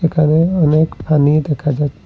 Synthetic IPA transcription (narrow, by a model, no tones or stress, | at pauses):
ekaneəneːkpʰaːnid̪ekʰad͡ʒaːt̪ː